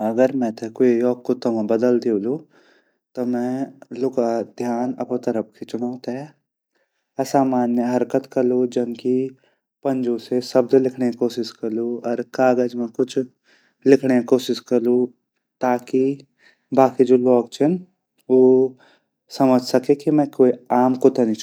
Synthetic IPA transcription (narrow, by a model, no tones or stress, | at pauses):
ɐɡəɾmɛ̃t̪ʰekoejɔːkkot̪ɐmãbəd̪əld̪iulu | t̪omɛ̃lʊkad̪ʱjaːnɐ̰pot̪əɾəp̚kʰet͡ʃʊɽaːt̪e | saːmaːnjəɦɐɾkət̪kɐɾlud͡ʒɐnki | pɐ̃nd͡ʒõsesɐb̚d̪lɪkʰnekoːʃɪʃkɐɾluɔːɾkaːɡəd͡ʒmẽkʊt͡ʃʰ | lɪkʰɽekoːʃɪʃkɐɾlu | t̪aːki | baːkid͡ʒoːlɔːk̚t͡ʃʰən | oː | sɐməd͡ʒʱsɐkekimɛ̃koːiaːmkot̪enĩ